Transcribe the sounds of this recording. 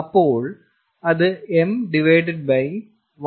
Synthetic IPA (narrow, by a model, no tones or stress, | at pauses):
ɐpːoːɭ | ɐðɨemɖiʋejɖɨɖ̚bɐj | ʋ